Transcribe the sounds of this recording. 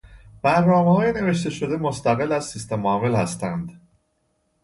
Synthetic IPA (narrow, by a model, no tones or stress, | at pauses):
b̥æɾnɒːmehɒːjene̞ve̞ʃt̪e̞ʃo̞d̪e̞mo̞st̪æɣe̞læz̥sist̪emɒːvelhæst̪ænd̪